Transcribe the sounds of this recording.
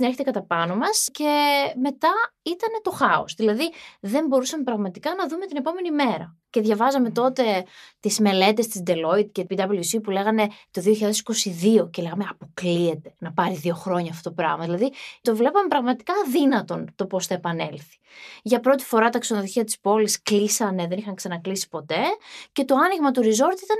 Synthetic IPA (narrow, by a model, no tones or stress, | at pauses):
ineçet̪ekɐt̪ɐpɐno̞mɐsce̞me̞t̪ɐit̪ɐne̞t̪o̞xɐo̰sðilɐðiðe̞mbo̞ɾusɐme̞pɾɐɣmɐt̪ikɐnɐðume̞t̪ine̞po̞me̞nime̞ɾɐ̰ | ce̞ðʝɐvɐzɐme̞t̪o̞t̪e̞t̪izme̞le̞t̪e̞st̪izd̪e̞lo̞id̪ceid̪ɐbliusipule̞ɣɐne̞t̪o̞ðioçiʎaðesi̥ko̞siðio̞cele̞ɣɐmeɐpo̞klie̞t̪e̞̥nɐpɐɾiðio̞xɾoɲɐːft̪ot̪opɾɐ̰ɣmɐðilɐðit̪o̞vle̞pɐmepɾɐɣmɐt̪i̥kɐːðinɐt̪o̞nt̪o̞po̞sθɐe̞pɐne̞lθi̥ʝɐpɾo̞t̪i̥fo̞ɾɐt̪ɐksonoðoçiɐt̪i̥spo̞lisklisɐneðe̞nixɐŋksɐnɐklisi̥po̞t̪e̞ce̞t̪o̞ɐniɣmɐt̪uɾizo̞ɾt̪it̪ɐn